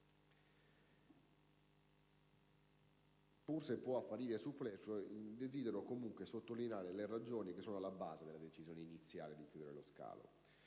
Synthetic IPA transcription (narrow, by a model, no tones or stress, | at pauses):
pursepːwɔapːaɾiːɾesupːlɛsod̪eziːd̪eɾokomuŋkwesot̪ːolinaːɾelerad͡ʒoːnik̟esːoːnoalːaba̰ːzed̪elad̪et͡ʃizjoːneinit̪sːja̰ːled̪ikjuːd̪eɾeloska̰ːlo̰